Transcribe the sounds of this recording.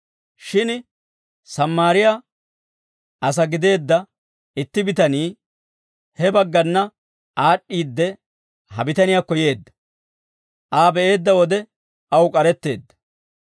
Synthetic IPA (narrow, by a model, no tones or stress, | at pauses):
ʃɪn | sɐmːaːɾɪjaː | ʔɐs̬ɐɡɪd̪e̞ːd̪ːɐ | ɪt̪ːɪbɪt̪ɐniː | hɛbɐɡːɐnːɐ | ʔaːɗːiːd̪ːɛ | hɐbɪt̪ɐnɪjaːkɔje̞ːd̪ːɐ̥ | ʔaːbɛʔe̞ːd̪ːɐwɔd̪ɛ | ɐwkʼɐɾɛt̪ːe̞̰ːd̪ːɐ̥